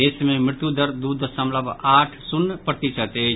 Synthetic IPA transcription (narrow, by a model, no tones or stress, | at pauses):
eːsmẽmɾɪt̪jud̪əɾd̪uːd̪ʱsɐ̃mləbaːʈʰsʊnːəpɾət̪it͡ʃət̪eː